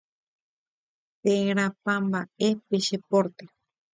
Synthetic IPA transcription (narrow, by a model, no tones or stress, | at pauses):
pẽɾ̃ãpãmbaepeʃepoɾt̪e